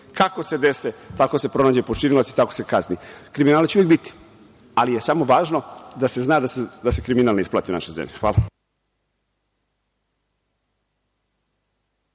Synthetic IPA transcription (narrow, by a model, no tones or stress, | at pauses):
kako̞se̞d̪eset̪akose̞pɾo̞naːd͡ʑepot͡ʃinilat̪si̥t̪akose̞kaznḭkɾiminaːlet͡ɕeujek̚bit̪i̥ | alijesamo̞ʋaːʒnod̪ase̞znaːd̪ased̪ase̞kɾiminalneisplˠa̰ːt̪iuna̰ʃojzḛmʎixʋaːla